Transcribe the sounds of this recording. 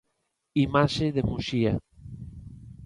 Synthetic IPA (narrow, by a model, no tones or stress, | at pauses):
imaʃeðemuʃia